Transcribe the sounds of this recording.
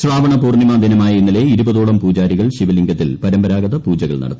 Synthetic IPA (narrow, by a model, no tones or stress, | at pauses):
sɭaːbɐɳɐpuːrnimaːd̪inɐmaːjɐinːile̞iɾubɐðoːɭɐmpuːd͡ʑaːɾiɣɐɭɕiʋɐliŋɡɐt̪ːilpɐɾɐmbɐɾaːɡɐðɐpuːd͡ʑɐɣɐɭnɐ̰ɽɐ̰t̪ː